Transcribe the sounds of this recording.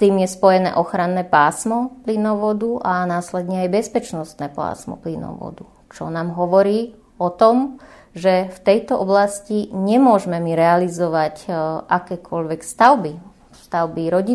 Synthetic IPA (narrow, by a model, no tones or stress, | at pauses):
t̪iːmjɛspɔjɛnɛ̰ːʔɔxɾanːɛːpaːsmɔplinɔʋɔd̪uʔanaːslɛd̪ɲɛajbɛspɛt͡ʃnɔst̪nɛːpa̰ːsmɔ̰plinɔ̰ʋɔ̰d̪u | t͡ʃɔnaːmɦɔʋɔɾiː | ɔt̪ɔm | ʒɛft̪ɛjt̪ɔʔɔblasciɲɛmʊɔʒmɛmiɾɛalizɔʋacʔakɛːkʰɔʎʋɛkst̪aʊbi | st̪aʊbiɾɔɟi